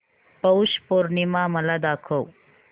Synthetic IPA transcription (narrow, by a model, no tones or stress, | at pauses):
pəwʃpoɾnimãmɐlad̪aːkʰow